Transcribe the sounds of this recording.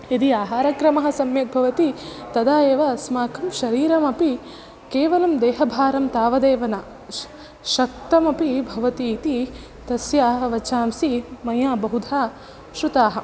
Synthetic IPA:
id̪iaːɦaːɾɐkɾɐmɐɦɐ̆sɐmjɐk̪̚bʱɐʋɐt̪i | t̪ɐd̪aːjeːʋɐsmaːkʰɐmʃɐɾiːɾɐmɐpi | keːʋɐlɐmd̪eːɦɐbʱaːɾɐmt̪aːʋɐd̪eːʋɐnaː | ʃɐk̚t̪ɐmɐpibʱɐʋɐt̪iːt̪i | t̪ɐsjaːɦɐʋɐt͡ʃaːmsimɐjaːbɐɦud̪ʱaː | ʃɾut̪aːɦɐ̆

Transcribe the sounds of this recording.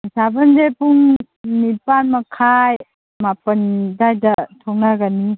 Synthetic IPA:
sabəndepuŋ | nipanmɐkʰaj | mapəndajdɐtʰɔŋnaɡani

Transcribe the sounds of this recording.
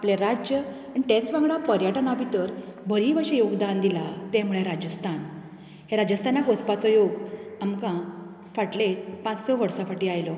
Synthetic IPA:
apleɾad͡ʑjə | aɳ̃it̪ẽt͡sʋãŋɡɭapəɾjəʈnabʱit̪əɾbʱəɾiʋəɕejoɡd̪and̪ilat̪ẽmuɭeɾad͡ʑəst̪ʰan | heɾad͡ʑəst̪ʰanakot͡spat͡sɔjoɡamkã | faʈlepãt͡ssɔʋəɾsafaʈiːajlɔ

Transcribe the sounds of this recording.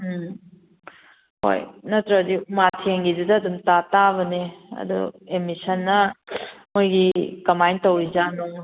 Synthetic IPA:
ho̰jnɐtɾɐbɐdiumatʰeŋɡidudɐːdumtataβɐneɐ̰dṵemisɐnːɐ | mojɡikɐmajntowid͡ʒano

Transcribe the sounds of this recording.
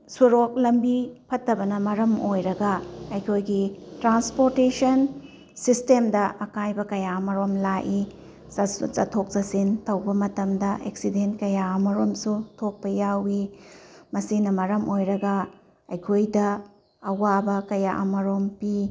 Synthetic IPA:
suɾok̚lɐmbipʰɐtːɐbɐnɐmɐɾɐmojɾɐɡɐɐjkʰojɡitɾanspoɾtesɐn | sistemdɐʔɐkajbɐkɐjaɐmɐɾomlaʔi | sɐtʰok̚zɐsintɐwbɐmɐtɐmdɐʔḛksident̚kɐjaɐmɐɾomsutʰok̚pɐjawi | mɐsinɐmɐɾɐmʔojɾɐɡɐ | ɐjkʰojdɐː | wabɐkɐjaʔɐmɐɾompi

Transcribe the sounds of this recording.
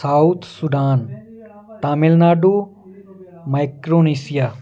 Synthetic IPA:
saːut̪sud̪aːn | t̪aːmilnaːɖu | majkɾoːniːsija

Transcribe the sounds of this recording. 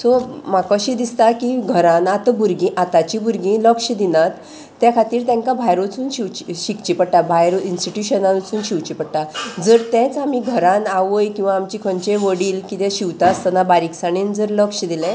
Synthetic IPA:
sɔmakɔɕid̪ist̪akiɡʱəɾãnat̪buɾɡĩʔat̪at͡ɕibuɾɡĩləkɕəd̪inat̪ː | jakʰat̪iːɾt̪ɛ̃ŋkabʱajɾot͡suːnɕiwt͡ɕiɕikt͡ɕipəɽʈabʱajɾoinsʈiʈjuɕənãnt͡suːnɕiʋt͡ɕipəɽʈad͡zəɾt̪ɛ̃t͡samiɡʱəɾãnaʋəjkĩw̃ʋaːmt͡ɕikʰɔɲt͡ɕeʋəɽiːlkit̪ɛ̃ɕiʋt̪ast̪ənabaɾiksaɽind͡zəɾləkʂd̪ilɛ̃

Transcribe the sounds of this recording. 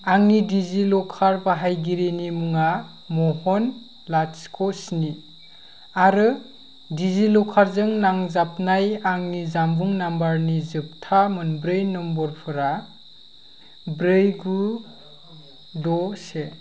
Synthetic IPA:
aŋnidizilɔkʰaɾbaɦajɡiɾinimuŋa | mɔhɔn | laskʰɔsni | aɾɯ | dizilɔkʰaɾzɯŋnaŋzapnajaŋnizambuŋnambaɾnizɯp̚tʰamɯnbɾɯjnɔmbɔɾpʰɯɾa | bɾɯjɡu | dɔse

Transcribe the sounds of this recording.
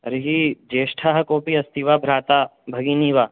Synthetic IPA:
ɾiɦid͡ʒeːʃʈʰaːɦɐkoːpiɐst̪iʋaːbʱɾaːt̪aːbʱɐɡiniʋaː

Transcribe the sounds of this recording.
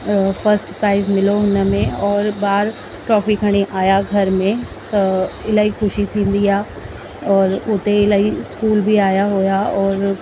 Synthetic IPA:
fʰɐɾsʈpɾaːɪzmɪloɦʊnə̆mẽɔːɾbaːɾ | ʈɾɔːfikʰəɽ̃iʔaːjaɡʱɐɾmẽ | t̪ɐɪlaːɦixʊʃit̪ʰĩːnd̪iaː | ɔːɾʊt̪eɪlaːiskuːlbʱiaːjaɦojaɔːɾ

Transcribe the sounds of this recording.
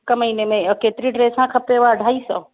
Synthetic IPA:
kəməinemẽket̪ɾiɖɾeːsãkʰəpːeʋaəɖʱaːisɔ̰

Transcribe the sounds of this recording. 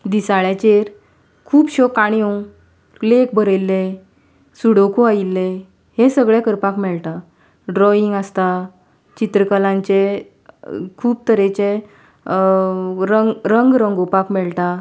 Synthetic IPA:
d̪isaɭjat͡ɕeɾ | kʰuːpɕɔkːaɽ̃iõ | lek̚bʱəɾelːe | suɽokoailːe | hesəɡɭɛkəɾpakmɛɭʈ̪a | ɖɾɔiŋɡəst̪a | t͡ɕit̪ɾəkəlãɲt͡ɕe | kʰuːp̚t̪əɾet͡ɕe | ɾəɡɾəŋɡɾəŋɡopakmɛɭʈa

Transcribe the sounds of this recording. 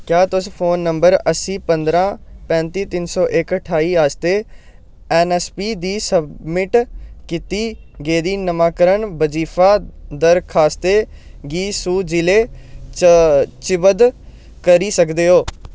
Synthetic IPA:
kjaːt̪ʊspʰoːnːəmbəɾəsiːpənd̪ɾãːpɛ̃ːnt̪iːt̪ɪnsɔːʔɪkəʈʰaːiːaːst̪eː | ɛːnɛːspiːd̪iːsəbmɪʈkɪt̪iː | ɡeːd̪iːnəmãːkəɾəɳbəd͡ʒiːfʰaːd̪əɾkʰaːst̪eː | ɡiːsuːd͡ʒɪleː | t͡ʃɪbəd̪ | kəɾiːsəkd̪eːɦoː

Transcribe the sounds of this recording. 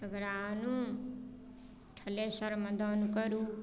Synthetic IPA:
əɡɾanu | ʈʰʌlesʌɾmʌd̪ʱʌnukʌɾu

